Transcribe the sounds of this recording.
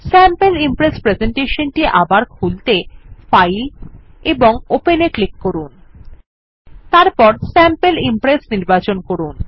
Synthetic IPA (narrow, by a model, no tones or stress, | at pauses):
sɛmpelimpɾespɾezeɳʈeʃonʈiʔabaɾkʰult̪efajl | eboŋopeneklikːoɾun | t̪aɾpɔɾsɛmpelimpɾesniɾbat͡ɕonkoɾun